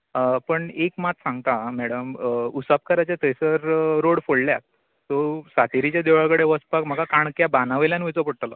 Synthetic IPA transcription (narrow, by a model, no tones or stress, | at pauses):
pəɳekmat̪sãŋɡt̪amɛɽəmusap̚kəɾat͡ɕat̪əjsəɾɾoɽfolljat̪ː | osat̪iɾit͡ɕjad̪eʋaɭkəɽeʋəspakm̤əɡakaɳkjabanaʋəljãnʋit͡səpəɽʈla̰